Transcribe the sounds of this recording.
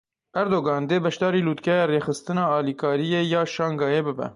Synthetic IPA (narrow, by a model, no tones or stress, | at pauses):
ʔɛɾd̪oːɡɑːnd̪eːbɛʃd̪ɑːɾiːluːt̪kɛjɑːreːxɨst̪ɨnɑːɑːlikʰɑːɾijeːjɑːʃɑːŋɡɑːjeːbɨbɛ̰